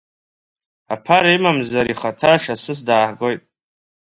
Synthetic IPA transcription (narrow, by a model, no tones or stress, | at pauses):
apʰaɾaimamzaɾiχatʰaʂasɨs̬daːħɡojtʼ